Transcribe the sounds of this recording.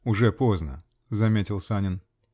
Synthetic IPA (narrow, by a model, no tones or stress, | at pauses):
ʊʐɛpoznə̰ | zɐmʲetʲɪlˠsanʲɪn